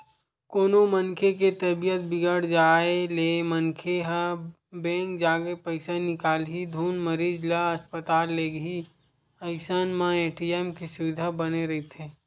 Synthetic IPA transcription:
koːnomənkʰek̬et̪ɐbijət̪̚bɪɡəɽd͡ʒaːelemənkʰeɦə | bẽːŋk̚d͡ʒaːɡepəɪsanɪkaːlɦid̪ʱuːnməɾiːd͡ʒlaəspət̪aːlːeːɡɦi | əɪsanmãeːʈiɛːmkesʊʋɪd̪ʱabəneɾɐɦit̪ʰeː

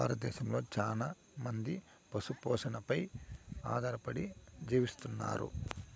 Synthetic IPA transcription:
aːɾɐt̪̚d̪ɛːʃɐmlo̞ːt͡ʃaːlaː | mɐnd̪i | pɐsupɔːʂɐnɐpɐja̰ːd̪ʱaːɾɐpɐɽid͡ʒiːʋist̪unːa̰ːɾṵ

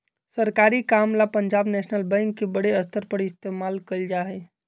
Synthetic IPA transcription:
səɾkaːɾikaːmlapəɲd͡ʒaːbnɛːʃnəlbɛ̃ŋkːebəɽeəst̪ʰəɾpəɽɪst̪eːmaːlkəld͡ʒaɦe

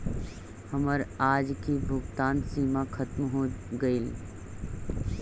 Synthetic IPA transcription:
həməɾaːd͡ʒkibʱʊɡt̪aːnsiːmakʰət̪mɦoɡəil

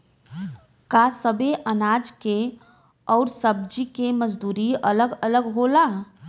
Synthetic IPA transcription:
kasəbeʔənaːd͡ʒke | ɔːɾsəb̚d͡ʒikeməd͡ʒd̪uːɾiələɡələɡɦola

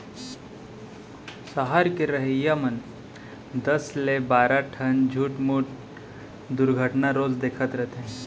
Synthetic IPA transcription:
səɦaɾkeɾəɦəjamən | d̪əslebaɾaʈʰənd͡ʑʱuːʈmuːʈ | d̪uɾɡʱəʈnaɾod͡zd̪ekʰət̪ɾəɦt̪ẽ

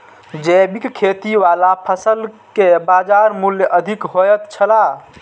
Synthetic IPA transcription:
d͡ʒɛbikkʰːet̪iʋalapʰəsəl | kebad͡ʒaɾmuljəʔəd̪ʱikɦojət̪t͡ʃʰəla

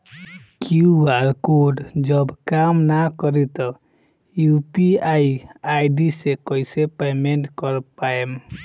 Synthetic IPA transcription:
kiuaɾkoɖd͡ʒɔbkamnakɔɾit̪ɔ | jupiaiajɖisekɔjsepemeɳʈkɔɾpaem

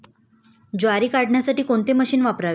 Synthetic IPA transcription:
d͡ʑoaɾiːkaɽɳjasaʈiːkoɳt̪eməɕiːnʋapɾaʋe

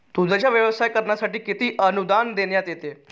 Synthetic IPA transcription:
t̪ud͡z̪ʱat͡ɕjaʋjəʋsajkəɾɳjasaʈiːkit̪iːʔənud̪and̪eɳjat̪jet̪e

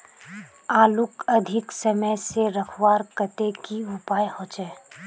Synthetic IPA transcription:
aːlʊkɐd̪ʱɪksɐməjseɾɐkʰwaːɾkət̪ekiʊpaːjhõːt͡ʃɛː

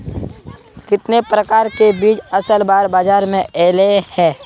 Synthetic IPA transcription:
kɪt̪nepɾəkaːɾkebiːt͡ʃɐsəlbaːɾbaːd͡ʒaːɾmẽʔeːlehɛ̃ː

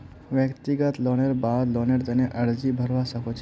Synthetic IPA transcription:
ʋjəkt̪iɡət̪loːneɾbaːd̪loneɾd̪ɐneʔɐɾd͡ʒibʱɐɾʋasɐkot͡ʃ

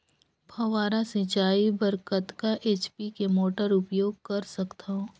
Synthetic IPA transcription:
bʰʱɐʋaːɾasɪ̃t͡ʃaːibɐɾkət̪kaʔeːt͡ʃpikemoːʈəɾʊpjoːɡ̚kɐɾsɐkt̪aɦõː

